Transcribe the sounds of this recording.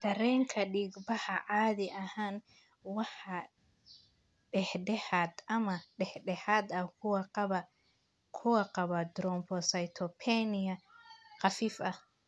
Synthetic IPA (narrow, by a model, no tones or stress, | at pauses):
d̪̥ɐɾɛːŋkʰɐɖiːɡbɐhɐʕɑːðɪʔɐhaːn | wɑħɑ | ɖɛhɖɛhaːd̪ʔɐmɐɖɛħɖɛhaːd̪ɐkʰʊwɑqβɐ | kʰʊwɐqɑβɐd̪ɾɔmpʰɔsɐjt̪ʰɔpʰɛnɪɐqɑfiːfɐh